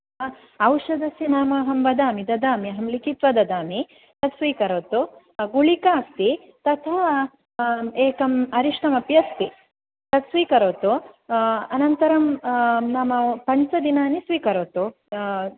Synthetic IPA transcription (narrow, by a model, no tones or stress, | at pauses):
ɐwʃɐd̪ɐsinaːmɐɦɐmbɐd̪aːmid̪ɐd̪aːmiɦɐmlikit̪ʋɐd̪ɐd̪aːmi | t̪ɐt̪sʋiːkɐɾoːt̪u | ɡuɭikaːst̪i | t̪ɐt̪ʰa | eːkɐmɐɾiʂʈɐmɐpjɐst̪i | t̪ɐt̪sʋiːkɐɾoːt̪u | ɐnɐnt̪ɐɾɐmnaːmɐpɐɲt͡ʃɐd̪inaːnisʋiːkɐɾoːt̪u